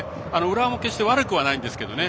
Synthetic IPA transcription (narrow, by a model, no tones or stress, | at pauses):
ano̞ɯ̟ɾamokeɕi̥t̪e̞βaɾɯ̟kɯ̟βanaĩnd̪e̞sɨ̥ke̞d̪o̞̰ne̞